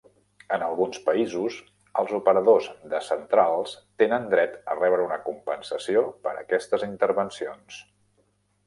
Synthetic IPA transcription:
ənəlˠɣunspəizus | əlˠzupəɾəðozðəsənt̪ɾalˠst̪enənd̪ɾɛt̪ə̰rɛβɾəunəkumpənsəsiopəɾə̰kɛst̪əzint̪əɾβənsions

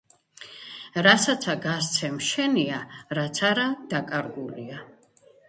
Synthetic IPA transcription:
ɾasat̪sʰaɡas̬t̪sʰɛmʃɛniaɾat̪sʰaɾad̪̥akʼaɾɡulia

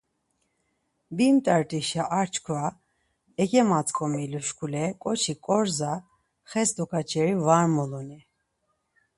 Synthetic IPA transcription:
bimt̪ʼaɾt̪ʼiʃjaʔaɾt͡ʃʰkʰva | ɛkʼɛmat͡sʼkʼɔmiluʃkʰʼulɛkʼɔt͡ʃʰikʼɔɾza | χɛsd̪ɔkʰat͡ʃʰʼɛɾivaɾmɔlɔni

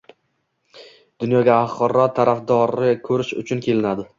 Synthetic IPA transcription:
d̪̥ʊnjɒɡʲaːχqɨɾːɒt̪ʰaɾafd̪ɒɾɪkʲʰɵɾɪʃʊ̰t͡ʃʰʊnkʲe̞lɪnad̪ɪ

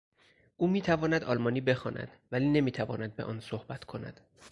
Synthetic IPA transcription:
ʔuːmiːt̪ʰævɒːnæd̪ɒːlmɒːniːbe̞xɒːnʔæ̰d̪̥væliːne̞miːt̪ʰævɒ̰ːnæd̪̚be̞ʔɒ̰ːnsohbæt̪ʰkʰo̞næ̰d̪̥

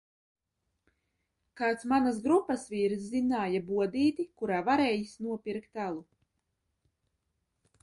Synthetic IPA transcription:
kaːt̪smanasɡɾupːasviːɾszinaːjabuɔd̪iːt̪ikuɾaːvaɾeːjisnuɔpiɾkt̪ælˠu

